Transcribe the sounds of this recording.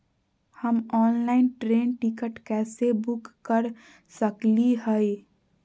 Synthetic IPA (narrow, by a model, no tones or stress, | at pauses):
həmɔːnlaɪnʈɾeːnʈikəʈkɛːsebʊkːəɾ | səkliɦəj